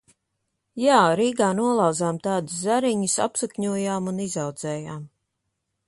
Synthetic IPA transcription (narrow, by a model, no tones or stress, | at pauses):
jaːɾiːɡaːnuɔlˠɑwzaːmt̪aːd̪uszaɾiɲusa̰psukɲuɔjaːmunizawd̪z̥ɛːjaːm